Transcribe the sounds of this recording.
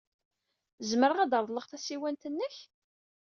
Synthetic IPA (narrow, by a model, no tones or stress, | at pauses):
zməɾəʁæd̪əɾˤðˤləʁθæsiwænt̪ənːəç